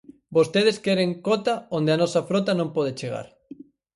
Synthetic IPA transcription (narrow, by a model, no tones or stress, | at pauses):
bost̪eð̞eskɛɾeŋkot̪aond̪eanɔsɐfɾot̪̬ɐnõmpɔð̞et͡ʃeɣ̞a̰ɾ